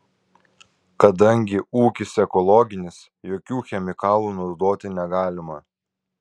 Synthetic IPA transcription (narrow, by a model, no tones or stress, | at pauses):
kɐd̪ɐŋʲɡʲɪuːkʲɪsɛkɔlˠɔɡʲɪnʲɪs | joːkʲuːxʲɛmʲɪkɑːlˠuːnʊd̪oːt̪ʲɪnʲɛɡɑːlʲɪmɐ